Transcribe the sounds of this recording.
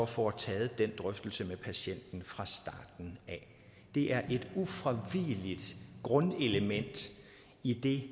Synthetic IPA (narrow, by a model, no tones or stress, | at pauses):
ɒfɒt͡sʰɛːð̩ˠd̥en̰d̥ʁœfd̥l̩səmepʰæɕen̰d̥n̩fʁɑ̈sd̥ɑ̰̈ːd̥n̩æ | d̥e̝ʔæɐʔe̝d̥ufʁaʋilid̥ɡ̥ʁɔ̽neləmen̰d̥ | id̥e̝